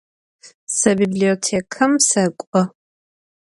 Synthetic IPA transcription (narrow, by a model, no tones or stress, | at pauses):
sɐbibliotʰekʰɐmsɐkʷʼɔ